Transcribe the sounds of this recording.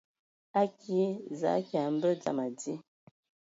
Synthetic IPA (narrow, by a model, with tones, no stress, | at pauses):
a˦ki˨˦za̰˨˦ka˨m̩˦bə˦d͡za̰˨ma˨d͡zi˦